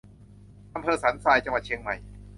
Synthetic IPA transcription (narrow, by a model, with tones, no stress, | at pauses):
ʔa˧mpʰɤː˧saː˩˦nsaː˧jt͡ɕa˧ŋwa˨˩t̪̚t͡ɕʰi˧ŋma˨˩j